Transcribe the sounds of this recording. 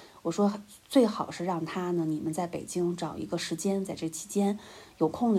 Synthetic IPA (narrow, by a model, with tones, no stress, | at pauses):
wɔ˨˩ʂwɔ˥ | t͡swe˥˩ɪxɑ˨˩ʊʂɻ̩˥˧ɻɑ˥˩ŋt̪ʰa˥nə˨ni˨˩mə˦nt͡sa˥˩ɪpe˨˩ɪt͡ɕi˥ŋʈ͡ʂɑ˨˩ʊḭ˧˥ɡə˧ʂɻ̩˧˥t͡ɕjɛ˥nt͡sa˥˧ɪʈ͡ʂɤ˥˩ɡə˩t͡ɕʰi̥˧˥t͡ɕjɛ˥njo˨˩ʊkʰʊ˥˧ŋ